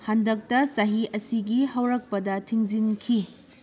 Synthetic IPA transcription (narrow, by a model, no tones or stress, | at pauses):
hɐndɐk̚tɐsɐɦiʔɐsiɡiɦɐwɾɐk̚pɐdɐtʰiŋzinkʰi